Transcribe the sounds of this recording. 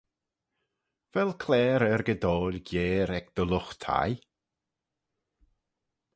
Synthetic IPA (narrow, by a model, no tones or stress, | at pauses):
vɛlkʰlɛːɾəɾɡəd̪oːlʲɡjeːɾɛɡd̪̥ɔlʊxt̪ʰa̰j